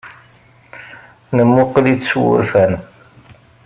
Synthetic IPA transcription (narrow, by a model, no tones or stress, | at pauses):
nəmːʊqːlit͡sːswʊ̰ɾfæn